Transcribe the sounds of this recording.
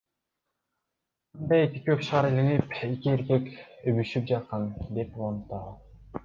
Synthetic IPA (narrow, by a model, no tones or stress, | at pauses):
ɯnd̪ɑjekʲikøkʃɑːɾeliŋipekʲieɾkekøβyʃyp̚d͡ʒɑt̪̚qɑnd̪e̞pulˠɑnt̪ːɑʁ